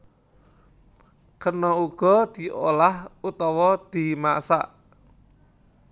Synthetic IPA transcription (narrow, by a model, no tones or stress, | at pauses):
kənɔuɡ̥ɔ̤d̪̥i̤ʔo̰lahut̪ɔwɔd̪̥i̤masa̰ʔ